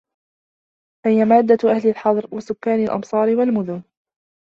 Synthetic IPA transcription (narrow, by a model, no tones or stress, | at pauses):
fahɪjamaːd̪ːaʔahlɪlħɑðˤɾwasʊkːaːnɪlʔɑ̰msˤɑːɾɪwalmʊðʊn